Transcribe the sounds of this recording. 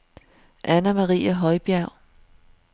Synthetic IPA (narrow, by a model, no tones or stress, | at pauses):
ʔænæmɑʁḭːæɦɒ̽ɪb̥jæʊ̰